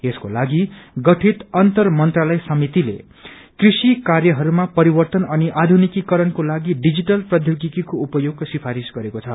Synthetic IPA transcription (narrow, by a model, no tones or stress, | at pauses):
eskolaɡiɡʌʈʰit̪ʌnt̪ʌrmʌnt̪ralʌjsʌmit̪ilḛ | krisikarjʌɦʌɾumapʌɾibʌrt̪ʌnʌniʔad̪ʱunikikʌɾʌnkolaɡiɖid͡ziʈʌlprʌd̪ʱjoɡikikoupʌjoɡsipʰaɾisɡʌɾekot͡sʰʌ